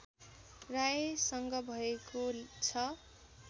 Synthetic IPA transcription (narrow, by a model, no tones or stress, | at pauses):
raesʌŋɡʌbʱʌekot͡sʰʌ